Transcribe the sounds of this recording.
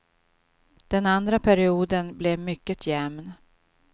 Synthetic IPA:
d̪̥ɛnand̪ɾapʰæɾɪuːd̪ənblɛvmʏkːət̪ʰjɛmn

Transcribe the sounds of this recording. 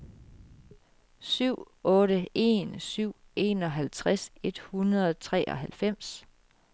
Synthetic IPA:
syʊ̰ | ɔ̽ːɾəe̝̰nsyʊ̰e̝̰ːnɒ̽ɦælt͡sʰʁase̝d̥hunɐðˠɒt͡sʰʁɛ̰ːʔɒ̽ɦælfem̰s

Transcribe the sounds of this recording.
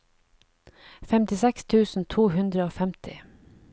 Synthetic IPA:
fɛmt̪ɪsɛkst̪ʰʉːsn̩t̪ʰuːhʉnd̪ɾəoːfɛmt̪ʰɪ̰

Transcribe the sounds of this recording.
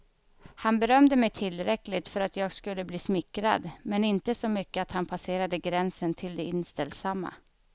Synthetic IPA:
hanbɛɾœmd̪əmɛjt̪ʰɪlːɾɛklɪt̪fœɾat̪jɑːɡskɵlːəbliːsmɪkːɾa̰d̪mɛnɪnt̪əsɔmʏkːəat̪hanpʰaseːɾad̪əɡɾɛnsənt̪ʰɪld̪ɛɪnst̪ɛld̪samːa̰

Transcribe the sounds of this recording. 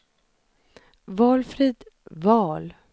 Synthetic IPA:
vɑːlfɾiːd̪vɑːl

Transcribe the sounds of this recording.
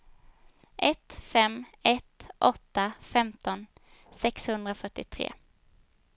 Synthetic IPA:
ʔɛt̪fɛmːɛt̪ʔɔt̪ːafɛmt̪ɔn | sɛkshɵnd̪ɾafœʈːɪt̪ʰɾḛː

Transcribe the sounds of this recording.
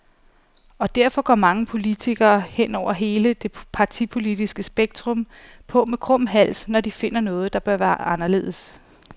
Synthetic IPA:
ɒ̽d̥æɐfɒ̽ɡ̥ɒmɑ̈ŋəpʰo̝lit͡sʰiɡ̥ɐːhen̰ɒʊ̰ɐɦe̝ːləd̥e̝pʰɑ̈t͡sʰipʰo̝lid̥isɡ̥əsb̥eɡ̥̚d̥ʁɔ̽m | pʰɔ̽mekʰʁɔ̽m̰ɦæl̰snɒd̥ife̝n̰ɐnɔ̽ːð̞̩ˠd̥ɑ̈b̥ɶɐʋæːɐʔɑ̈nɐle̝̰ːð̞̰ˠs

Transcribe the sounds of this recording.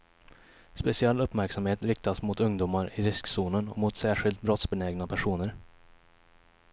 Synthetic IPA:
spɛsɪɛlːɵpːmæɾksamheːt̪ɾɪk̚t̪asmʊt̪ɵŋd̪uːmaɾɪɾɪsksuːnənɔ̰mʊt̪sæːɧɪlt̪̚bɾɔt̪sbɛnɛːɡnapʰæʂuːnəɾ

